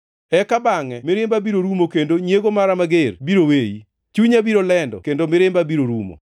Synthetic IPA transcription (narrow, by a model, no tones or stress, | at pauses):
ɛkabaŋɛmɪɾɪmbabiɾoɾumokendoɲjeɡomaɾamaɡerbiɾoweji | t͡ʃuɲabiɾolɛndɔ̰kendomɪɾɪmbabiɾoɾumo̰